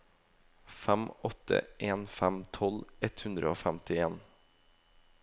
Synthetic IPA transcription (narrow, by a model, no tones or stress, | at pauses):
fɛmɔt̪ʰə̰ʔeːnfæmt̪ʰɔlɛt̪hʉnd̪ɾəoːfæmt̪ʰɪeːn